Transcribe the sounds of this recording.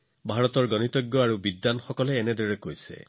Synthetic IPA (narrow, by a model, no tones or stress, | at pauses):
bʱaɹɔt̪ɔɹɡɔnit̪ɔɡjɔaɹubid̪ːanxɔkɔleːned̪eɹekojsḛ